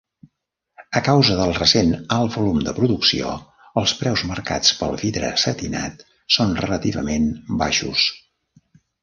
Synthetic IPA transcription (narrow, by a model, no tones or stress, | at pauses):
əkawzəðəlˠrəsenalˠβulumd̪əpɾuðuksio̰ | əlˠspɾɛwzmərka̰t͡spəlˠviðɾə̰sət̪ina̰t̪ | sonrələt̪iβə̰menbaʃṵs